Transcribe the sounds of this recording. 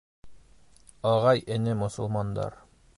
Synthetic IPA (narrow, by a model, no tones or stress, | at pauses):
ɒʁɑjɘ̆nɘmŏsɤ̆lˠmɑnd̪ɑ̰ɾ